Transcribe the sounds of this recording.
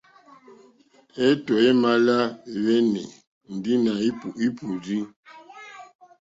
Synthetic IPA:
ɛ˦tɔ˨ɛ˦ma˦la˦˨wɛ˦nɛ̰˨ | m̩˨di˦na˨i˦pu˨ʔi˦pu˨di˦

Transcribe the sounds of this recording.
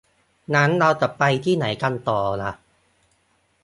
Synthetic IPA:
na˦˥nɾa˧wt̪a˨˩pa˧jt̪ʰiː˥˩na˩˦jka˧nt̪ɔː˨˩la̰˨˩ʔ

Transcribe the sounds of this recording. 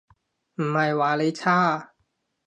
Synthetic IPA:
m̩˨˩ma˨˩jwaː˨˦le˨˧˦t͡ɕʰaː˥˩˨

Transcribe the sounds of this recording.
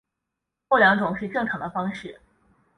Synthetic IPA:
kljɑ˧˥ŋʈ͡ʂʊ˨˩˦ŋʂɻ̩˥˧ʈ͡ʂɤ˥˩ŋʈ͡ʂʰɑ˧˥ŋd̪ə˧fɑ˥ŋʂɻ̩˥˩

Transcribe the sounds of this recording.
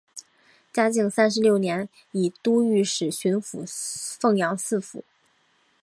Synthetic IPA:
t͡ɕja˥t͡ɕi˥˩ŋsa˥nʂ̬ɻ̩˧˥ljo˥˩ʊnjɛ˧˥n | i˨˩t̪u˥y˧˥˩ʂɻ̩˨˩ɕy˧˥nfṵ˨˩˦fɤ˥˩ŋjɑ˧˥ŋsɹ̩˥˩fṵ˨˩˦

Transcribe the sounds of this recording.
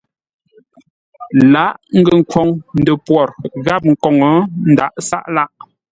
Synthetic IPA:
la˦ʔŋ̩˦ɡə˨ŋ̩˨kwɔ˨ŋn̩˨də˨pwɔ˨ɾɣa˦˨p̚ŋ̩˨kɔ˨ŋɔ˨˦n̩˦˨da˨ʔsa̰˦ʔla˦ʔ

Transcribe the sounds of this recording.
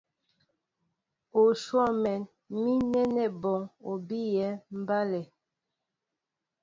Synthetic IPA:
o˨ʃwɔ˦˨mɛ˨n | mi˦nɛ˦nɛ˨bɔ˨ŋo˨bi˦jɛ˨˦m̩˦ba˦lɛ˨

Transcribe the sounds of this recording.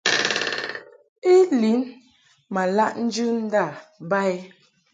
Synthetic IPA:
i˦li˨˦n | ma˨la˦ʔn̩˦d͡ʒʉ˦n̩˦da˦˨ba˦e˦

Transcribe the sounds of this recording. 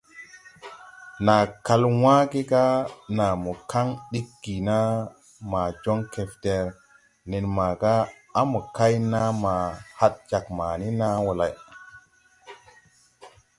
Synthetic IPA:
na˨ka˧lwã˦ɡi˦ɡa˦na˨mo˨ka˦ŋɗi˦k̚ɡi˨na˦ | ma˨d͡ʒo˦ŋke˨fde˨ɾ | ne˨nma˨ɡaː˦ | mo˨ka˦jna˦ma˨ha˦t̚d͡ʒa˨kma˨ni˦na˦wo˨la˨j

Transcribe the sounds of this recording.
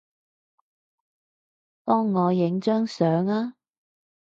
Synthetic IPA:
t̪ɔː˥ŋːɔː˨˧jɪ˨˥ŋt͡ʃœː˥ŋsœː˨˥ŋaː˥

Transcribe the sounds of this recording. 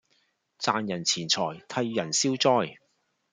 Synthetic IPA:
t͡saː˨˧njɐ˨˩nt͡sʰiː˨˩nt͡sʰɔː˨˩jt̪ʰɐ˧jːɐ˨˩nsiː˥wt͡sɔː˥j

